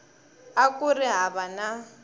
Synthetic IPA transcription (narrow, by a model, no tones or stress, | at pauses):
akʼuriɦaβana